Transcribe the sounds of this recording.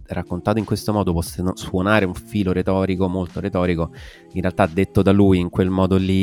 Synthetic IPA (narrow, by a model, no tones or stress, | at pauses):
rakːont̪aːt̪oiŋkwest̪omɔːd̪opɔsːenswonaːɾeuɱfiːloɾet̪ɔːɾikomolt̪oɾet̪ɔːɾiko | inrealt̪ad̪ːet̪ːod̪aluːjiŋkwelmɔːd̪olːi